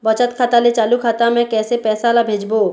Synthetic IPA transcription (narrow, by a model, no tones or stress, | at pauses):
bət͡ʃət̪kʰaːt̪alet͡ʃaːlukʰaːt̪amɛ̃kɛːsepɛːsalabʱeːd͡ʒboː